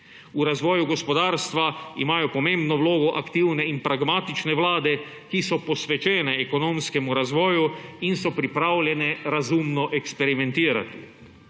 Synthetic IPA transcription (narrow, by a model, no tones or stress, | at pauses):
uɾazʋɔːjuɡospɔd̪aːɾst̪ʋaimaːjɔpɔmẽmbnɔwloːɡɔʔakt̪iːwnɛinpɾaɡmaːt̪it͡ʃnɛʋlaːd̪ɛ | kisɔposʋɛt͡ʃɛːnɛːkonoːmskɛmuɾazʋɔːjuinsɔpɾipɾaːwlʲjɛnɛɾazumnɔʔɛkspɛɾimɛ̃nt̪iːɾa̰t̪ḭ